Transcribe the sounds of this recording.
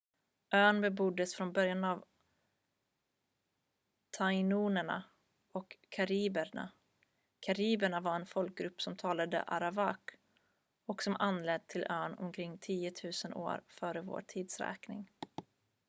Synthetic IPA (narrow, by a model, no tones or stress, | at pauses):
ʔøːnbɛbʊd̪ːəsfɾɔnbœɾjanav | t̪ʰaɪnuːnəɳa̰ | ɔkʰːaɾiːbəɳa̰ | kʰaɾiːbəɳavaɾɛnfɔlk̚ɡɾɵpːsɔmt̪ʰɑːlad̪ə̰ʔa̰ɾabak | ɔksɔmʔanlɛd̪̚t̪ʰːɪlʔœːnɔ̰mkʰɾɪŋːt̪ʰiːʊt̪ʰʉ̟ːsənʔo̰ːɾfœːɾəvo̰ːʈʰiːd̪sɾɛ̰ːknɪ̰ŋ